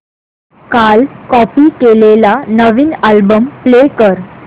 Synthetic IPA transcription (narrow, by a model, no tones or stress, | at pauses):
kalkɔpiːkelelanəʋiːnalbəmplekəɾ